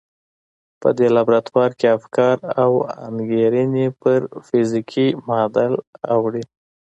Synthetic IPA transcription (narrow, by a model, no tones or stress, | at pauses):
pə̰d̪elabɾat̪wɑɾkeafkɑɾawa̰nɡeɾənipəɾfɪzikʰimɑd̪ala̰wɽi